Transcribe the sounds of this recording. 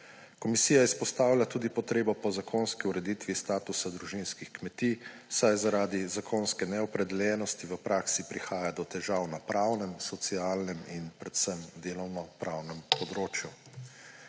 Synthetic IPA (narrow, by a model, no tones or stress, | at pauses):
kɔmisiːjaispɔst̪awlʲat̪uːd̪ipɔt̪ɾeːbɔpɔzakʰonskiuɾɛd̪iːt̪ʋist̪aːt̪usad̪ɾuʒinskixkmɛt̪isajzaɾaːd̪izakʰoːnskɛnɛɔpɾɛd̪ɛljɛːnɔst̪iʋəpɾʔaːksipɾixaːjad̪ɔt̪ɛʒawnapɾawnɛmsɔt̪sialnɛminpɾɛt̪səmd̪eːlɔwnɔpɾawnɛmpɔd̪ɾoːt͡ʃju